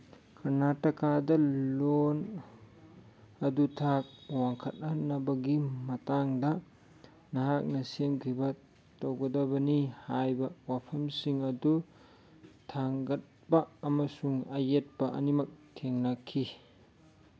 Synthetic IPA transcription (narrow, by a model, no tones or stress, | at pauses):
kʰɐɾnatːɐkadɐlon | ɐdutʰak̚waŋkʰɐt̚anɐbɐɡimɐtaŋdɐ | nɐɦak̚nɐsemkʰibɐ | towɡɐdɐbɐnihajbɐwapʰɐmsiŋɐdu | tʰaŋɡɐt̚bɐːmɐsuŋɐjet̚pɐʔɐnimɐk̚tʰeŋnakʰːi